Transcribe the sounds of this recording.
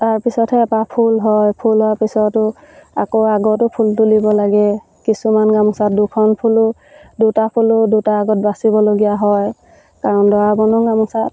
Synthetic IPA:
taɹpisɔtʰɛːpapʰulɦɔjpʰulɦɔapisɔtʊ | akoaɡɔtʊpʰultulibɔlaɡɛ | kisumanɡamusat̚dukʰɔnpʰulʊ | dutapʰulʊdutaːɡɔt̚basibɔloɡijaɦɔj | kaɹɔndɔwabɔnɔŋɡamusat̚

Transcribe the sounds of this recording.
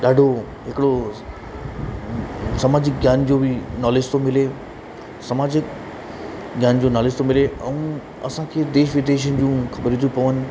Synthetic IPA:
ɗaːɖʱo | ɦɪkɪɽo | sɐmaːd͡ʑɪkɡʱjaːnd͡ʑoːbɪnaːlɪst̪omɪle | sɐmaːd͡ʑɪk | ɡʱjaːnd͡ʑoːnaːlɪst̪ʰomɪleɛ̃ũ | ɐ̰sãkʰeːd̪eːʃʋɪd̪eːʃ̬ənɪ̆d͡ʑũːxɐbəɾit̪ʰupɐʋənɪ̆

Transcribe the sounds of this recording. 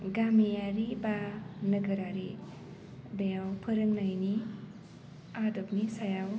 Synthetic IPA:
ɡamijaɾibanəɡəɾaɾi | bejawpʰəɾɯŋnajni | adopnisajaw

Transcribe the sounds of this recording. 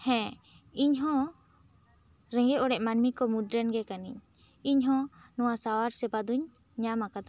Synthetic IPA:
hɛ̃ | iɲɦɔ̃ | ɾɛŋɡɛɔɽɛʔmanmikɔmud̪ɾɛnɡɛkaniɲ | iɲɦɔ̃nɔwasawaɾsɛbad̪uɲ | ɲamakad̪a

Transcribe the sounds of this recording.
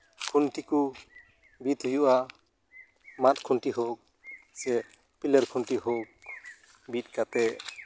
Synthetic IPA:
kʰuntiku | bit̪ɦojuʔa | mat̚kʰunʈiɦok̚ | sɛ | piləɾkʰɔnʈiɦok̚ | bit̚kat̪ɛ

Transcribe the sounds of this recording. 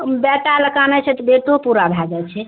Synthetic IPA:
bɛʈaləkanɛt͡ʃʰɛt̪ɔbeʈopuɾabʱaɡɛt͡ʃʰɛ

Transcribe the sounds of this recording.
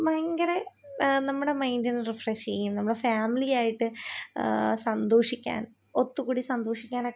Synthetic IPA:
mɐjŋɡɐɾe | nɐmːuɽe̞mɐjndinɨrifreʂt͡ɕejːumnɐmːuɽefaːmilijaːjiʈːɨ | sɐnd̪oːʂikʲːa̰ːn | ot̪ːukuːɽisɐnd̪oːʂikʲːaːnɐ

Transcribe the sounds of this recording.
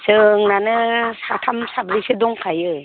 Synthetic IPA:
sɯŋnanɯsatʰamsabɾisɯdɔŋkʰajɯ

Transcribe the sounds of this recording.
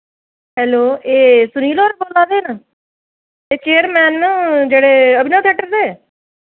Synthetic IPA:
ɦɛːloːeːsʊniːlɔːɾeboːlãːd̪eːnə | eːt͡ʃeːəɾmɛːnːd͡ʒeːɽeːəbinãːt̪ʰəːʈəɾd̪eː

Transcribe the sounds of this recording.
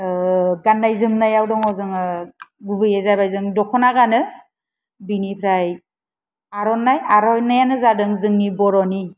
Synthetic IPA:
ɡanːajzɯmnajawdɔŋɔzɯŋɯɡubɯjezabajzɯŋdɔkʰɔnaɡanɯ | binipʰɾaj | aɾɔnːajaɾɔjnajanɯzadɯŋzɯŋnibɔɾɔni

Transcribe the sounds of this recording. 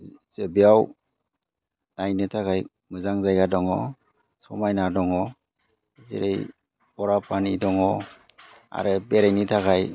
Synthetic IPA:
z̥ebiaw | najnɯtʰakaj | mɯzaŋzajɡadɔŋɔ̰ | sɔmajnadɔŋɔ | zḛɾej | ɔɾapʰanidɔŋɔ | a̰ɾɯbeɾajnitʰaɡaj

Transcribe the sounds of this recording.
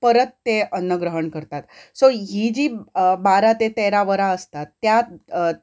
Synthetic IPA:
pəɾət̪ːeənːəɡɾəɦəɳkəɾt̪at̪soɦid͡ʑiːbaɾat̪et̪eɾaʋəɾaəst̪at̪ːja

